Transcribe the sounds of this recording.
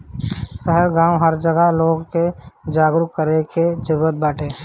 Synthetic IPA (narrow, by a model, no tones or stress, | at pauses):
səɦəɾɡãːũɦəɾd͡ʒəɡəloːɡked͡ʒaːɡɾukːəɾeked͡ʒəɾuːɾət̪̚baːʈʰeː